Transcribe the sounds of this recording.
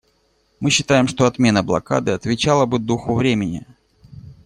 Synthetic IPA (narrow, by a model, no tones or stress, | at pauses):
mɨɕːɪt̪ajɪmʂt̪o̞ɐt̪mʲe̞nəblˠɐ̰ka̰d̪ɨɐt̪vʲɪt͡ɕalˠəbɨd̪uxʊvɾʲemʲɪnʲɪ̰